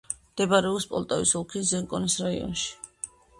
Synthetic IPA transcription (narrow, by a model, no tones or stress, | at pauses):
md̪̥ɛbaɾɛɔpspʼɔ̰lˠt̪ʼavisɔlˠkʰiszɛŋkʼɔnisɾaḭɔ̰nʃi̥